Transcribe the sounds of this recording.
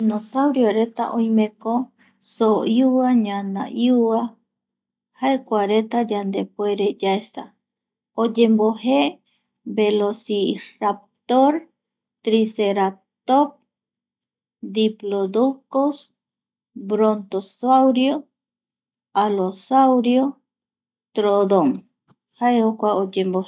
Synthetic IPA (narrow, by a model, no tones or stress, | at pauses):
inosawɾjoɾet̪a̰ʔojmẽko | sojuaɲana̰ʔjua | haekʷaɾet̪ad͡ʒand̪epweɾed͡ʒaesa̰ | od͡ʒembohe | belosirap̚t̪oɾ | t̪ɾiseɾa | t̪op̚ | d̪iplod̪ukos | bɾont̪osawɾjo | alosawɾjo | t̪ɾod̪oŋ | hajhokʷaod͡ʒemboh